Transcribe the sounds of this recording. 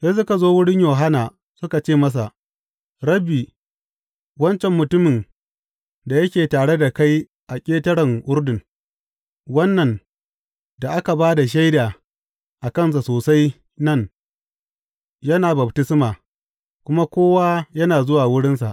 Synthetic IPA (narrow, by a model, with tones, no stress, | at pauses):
se˦s̬ʊ˦ka˨zoː˦wʊ˦ɽɪ˦ɲjoː˨ɦa˦naː˨ | sʊ˦ka˨t͡ʃeː˦˨mɐ˦s̬a˨ʔ | ɽɐ˦biː˨ | wɐ˦nt͡ʃɛ˨mːʊ˨tʊ˦mɪ˨n | da˨jɐ˦kʲeː˨taː˨ɽe˦da˨ka˦j | ʔa˨kʲʼeː˦tɐ˦ɽɐ˨ŋʔʊ˦ɾdɪ˨ŋ | wɐ˦nːɐ˨n | da˨ʔa˦ka˨baː˦da˨ʃ̬a˦jdaː˨ | ʔa˨kɐ˦ns̬a˨soː˨sa˦j | nɐ˦˨n | jɐ˦naː˨bɐ˨btɪ˦smaː˨ | kʷʊ˦ma˦kʷoː˦waː˦jɐ˦naː˨zʊ˦waː˨wʊ˦ɽɪ˦nsa˨ʔ